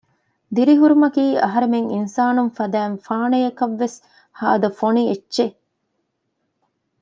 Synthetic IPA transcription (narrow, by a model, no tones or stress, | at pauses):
d̪iɾiɦuɾumɐkiːʔɐɦɐɾemeŋinsaːnunfɐd̪æːnfaːnejɐkɐʋːes | ha̰ːɐd̪ɐfonietːʃe